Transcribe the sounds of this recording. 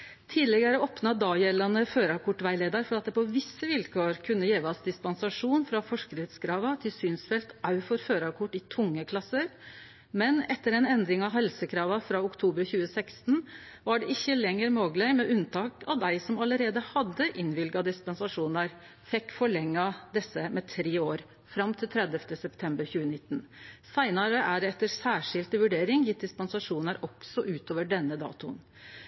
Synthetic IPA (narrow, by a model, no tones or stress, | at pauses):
t̪ʰiːlɛɡəɾəɔpnɑd̪ɑːjɛlɑnəføːɾɑkʰʊʈːʋæɪleːd̪ɑɾfɔɾɑt̪̚d̪ɛpɔʋɪsːəʋɪlkʰoːɾkʰʉnːəjeːʋɑsd̪ɪspɑnsɑʂuːnfɾɑfɔʂkəɾət̪skʰɾɑːʋɑt̪ʰɪlsyːnsfɛlt̪ʔɑʉfɔɾføːɾɑkʰʊʈːɪt̪ʰʊŋːəkʰlɑsːəɾ | mɛnɛt̪ːəɾɛnɛnd̪ɾɪŋɑʋhɛlsəkʰɾɑːʋɑfɾɑʊkt̪ʰuːbəɾçʉːəsɛkst̪n | ʋɑɖɛɪçːəlɛŋːəɾmoːɡlæɪmɛʉnt̪ʰɑːkɑʋd̪æɪsɔmɑləɾeːd̪əhɑd̪ːəʔɪnʋɪlɡɑd̪ɪspɑnsɑʂuːnəɾ | fɛkːfɔɭɛŋːɑd̪ɛsːəmɛt̪ʰɾeːoːɾ | fɾɑmt̪ʰɪlt̪ʰɾɛd̪əft̪əsɛpt̪ʰɛmbəɾçʉːənɪt̪ːn̩sæɪnɑɾəʔæɖɛɛt̪ːəɾsæːʂɪlt̪əʋʉɖeːɾɪŋjɪt̪̚d̪ɪspɛnsɑʂuːnəɾɔksɔʔʉːt̪oːʋəɖɛnːəd̪ɑ̰ːt̪ʊ̰n